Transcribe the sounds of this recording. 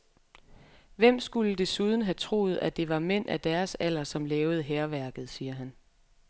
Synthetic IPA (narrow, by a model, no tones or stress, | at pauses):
ʋem̰sɡ̥uləd̥e̝suð̞ˠn̩ɦæt͡sʰʁo̝̰ːð̞̩ˠæd̥e̝ʋɑ̈men̰ʔæd̥æɐsæl̰ɐsɒ̽mlɛːʊð̞̩ˠəɦeːɐʋæɐɡ̥ð̞̩ˠsiːɐɦæn